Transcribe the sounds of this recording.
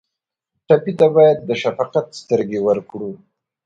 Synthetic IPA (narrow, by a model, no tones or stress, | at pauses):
ʈapit̪abɑjad̪ːəʃafɑqat̪st̪əɾɡewəɾkɽu